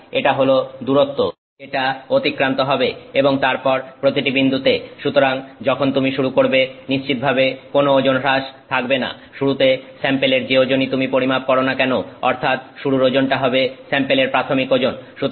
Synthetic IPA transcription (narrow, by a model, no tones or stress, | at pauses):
eʈaɦolod̪uɾot̪ːo | eʈaot̪ikːɾant̪oɦɔbeeboŋt̪aɾpɔɾpɾot̪iʈibind̪ʱut̪eʃut̪oɾaŋd͡ʑɔkʰont̪umiʃuɾukoɾbeniʃt͡ɕit̪̚bʱabekonood͡ʑonɾaʃt̪ʰak̚bena̰ | ʃuɽut̪esɛmpeleɾd͡ʑeod͡ʑonit̪umipoɾimap̚kɔɾonakɛnoɔ̰ɾt̪ʰat̪ʃuɽuɾod͡ʑonʈaɦɔbesɛmpeleɾpɾat̪ʰomikod͡ʑonʃut̪